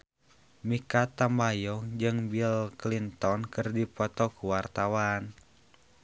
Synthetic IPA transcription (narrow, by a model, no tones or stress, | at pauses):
mikat̪ambajɔŋd͡ʒɨŋbilklint̪ɔnkɨrdipɔt̪ɔkuwart̪awan